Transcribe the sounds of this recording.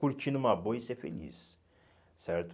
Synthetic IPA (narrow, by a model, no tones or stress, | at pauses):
uɾt͡ʃʰinumabojisefḛlʲḭs | sæɾt̪ʰ